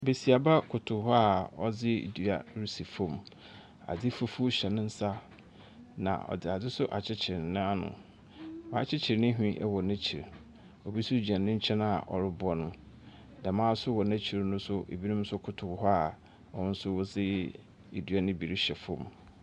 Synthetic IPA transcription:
be˨si˨a˨ba˦kʰʊ˨tʰʊ˨˦hɔ˦a˦ɔ˨d͡zɪ˦ḭ˨du˨a˦˨ɾi˦si˨fɔ̃˦˨m | a̰˨dɪ˦fu˦fu˦ɕɛ˨nɪ̃˦n̩˦sa˦ | nã̰˨ʔɔ̰˨dɪ˨a˨dɪ˦sʊ˦ʔa˨t͡ɕʰɪ˦t͡ɕʰɪ˨ɾnɪ̃˦a˦nʊ̰̃˨ | wã˨˦t͡ɕʰɪ˦t͡ɕʰɪ˨ɾnɪ̃˦ɦᶣĩ˦ʔɛ̰˦wɔ˨næ̃˦t͡ɕʰi˨ɾ | ɔ˨bi˦sʊ˦d͡ʑã˨nː˨ɪ̃˦ɲ̩˦t͡ɕʰɛ̃˦na˨ʔɔ̰˨ɾɪ˦bɔ˦nʊ̃˦ | dã˨mãː˦sʊ˦wɔ˨næ̃˦t͡ɕʰi˨ɾnʊ̃˦sʊ˦ʔḛ˨bi˦nʊ̃˦m˦sʊ˦kʰʊ˨tʰʊ˨ɦɔ˦a˦˨ | ɔ˦ʊ̃˦n̩˦sʊ˦wʊ˦d͡zɪ˦ | e˨du˨a˦nɪ̃˦bi˨ɾɕɛ˨fɔ̰̃˨m

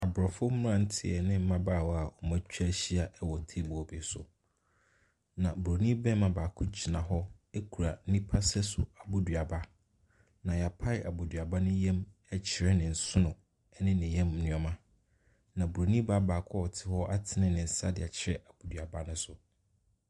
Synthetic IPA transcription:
a˨bɾɔ˨fʊ˦m˦ɾã˦n̩˦tʰɪ̰˦˨ɛ˨nɪ̃˦m̩˦mã˦baː˦˨wɔ˦a˨ɔ˨mã˦t͡ɕᶣa˦ɕi˦a˨ʔɛ˦wɔ˨tʰe˦˨bɔ˨be˨˦sʊ˨ | nã˨bɾo˨nĩ˦bɛ˦mã˨baː˨kʰʊ˦t͡ɕʰi˨nã˨ɦɔ˦ | e˦kʰu˨ɾa˨˦nĩ˦pʰa˦sɛ˦sʊ̰˨a˨bo˦dɥa˨ba˦ | nã˨ja˨pʰa˦ɪ˨ʔa˨bo˨dɥa˨ba˦nʊ̃˦jɛ̃˦mɛ˦t͡ɕʰɪ˨ɾɛ˦nɪ̃˨n̩˨sʊ˦nʊ̃˨ | ɛ˦nɪ̃˦nɪ̃˨jɛ̃˦m˨nʊ̃˨˦ɔ˨mã˦ | nã˨bu˨ɾo˨nĩ˦ba˦baː˨kʰɔ˦˨tʰɪ˦hɔ˦ʔa˦tʰɪ˨nɪ̃˦nɪ̃˨n̩˨sa˦dɪ̰˨ɛ˨t͡ɕʰɪ˨˦ɾɛ˦ʔa˨b̥u˨dɥa˨ba˦nʊ̃˦sʊ˨

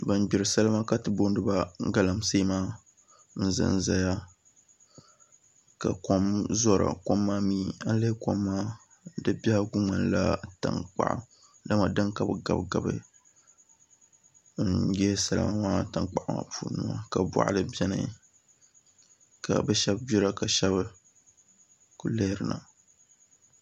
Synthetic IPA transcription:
bɨ˨n˦bi˨ɾɨ˨sa˦lɨ˦ma˦ka˦tɨ˨bo˦n˦dɨ˦ba˦ɡa˦la˨mseː˦maː˦ | n̩˦zɨ̰˦n̩˦za˦ja˦ | ka̰˨ko˦mzɔ˦ɾa̰˨ko˦mːaː˦miː˦a˦n˦lɨ˦ko̰˦mːaː˦ | dɨ˦bʲa˦ha˦ɡu˦ŋ͡ma˨nla̰˦ta̰˨ŋk͡pa̰˦˨ʔa̰˨ | da˦ma˨dɨ˦nka˨bɨ˨ɡa˨bɡa˨bɨ̰˦ | n̩jɛ˦sa˨la̰˨ma˦wa˦˨ta˨ŋk͡pa˨ʔa˦ma̰˨puː˦nɨ˦ma˦ka˨ba̰˨ʔa̰˦ɨ˦bɛ˦nɨ̰˨˦ | ka̰˨bɛ˦ʃɛ˦bbi˦ɾa˦ka˨ʃɛ˦bɨ˦ | ku˨le˦hɾɨ˨na̰˨

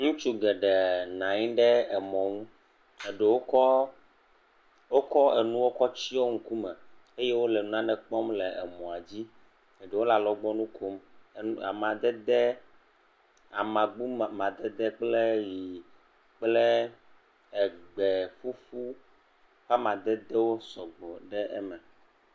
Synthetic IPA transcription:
ŋũ˦t͡ʃu˦ɡɛ˨ɖɛ˨nã˨ɲĩ˦ɖɛ˦ɛ˨mɔ̃˨ŋũ˦ | e˨ɖe˨wo˦ɔ˦ | wo˦kɔ˦ɛ˨nũ˦wo˦kɔ˦t͡ɕi˦o˦ŋ̩˦ku˦mɛ˨ | e˦je˦wo˦lɛ˨nũ˦nã˦ɖɛ˨k͡pɔ˦mlɛ˨ʔɛ˨mɔ̃˨a˨d͡ʑi˦ | e˨ɖe˨wo˦la˨lɔ˦ɡ͡bɔ˦nũ˦kʰo˦m˨a̰˨mã˨d̪ɛ˦d̪ɛ˦ | a˨mã˨ɡ͡bu˦˨mã˨d̪ɛ˦d̪ɛ˦k͡ple˦ji˨ | k͡plɛ˦ | ɛ˨ɡ͡bɛ˨fu˦fu˦ | ɸa˦mã˨d̪ɛ˦d̪ɛ˦wo˦sɔ˨ɡ͡bɔ˨ɖɛ˦ʔɛ˦mɛ˨

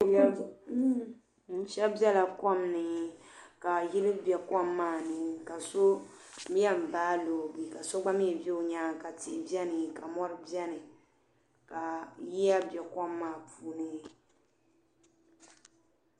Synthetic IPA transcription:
n̩˨ʃɛ˦bɛ˦la˨kɔ˦mnɨ˨ka˨ji˦lɨ˦bɛ˨kɔ˦mːaː˦˨nɨ˨ka˨so˦ | mi˦ɛ˦m̩˨baː˦lo˨bi˨ka˨so˦ɡ͡ba˦mi˦˨bɛ˦o˨ɲaː˦ka˨tɪ˨bjɛ˦nɨ˨ka˨mɔ˦ɾɨ˦bjɛ˦nɨ˨ | ka˨ji˦a˦bɛ˨kɔ˦mːaː˦˨puː˨nɨ˦

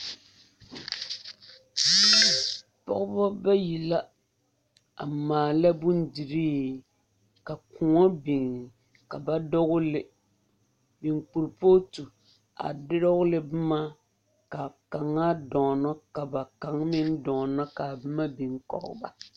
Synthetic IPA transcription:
pɔ̰˦ɣʊ˦bɔ˦ba˦ji˨la˦ | a˨maː˨la˦bʊ˦n˦di˨ɾiː˦ | ka˨ku˨ŋɔ˦bi˨ŋ˨ | ka˨ba˦dɔ˦ɡʊ˦lɪ˦ | bi˨ŋk͡pu˨ɾpo˦tu˨ | a̰˨dɪ˦ɾɔ˦ɡʊ˦lɪ˨bɨ˦ma˦ | ka˨ka˨ŋːa˦dɔ˨nɔ˦ka˨ba˨ka˨ŋmɪ˦n˦dɔ˨nɔ˦ka˨bɨ˦ma˦bi˨ŋkɔ̰˨ʔʊ̰˦˨ba̰˨

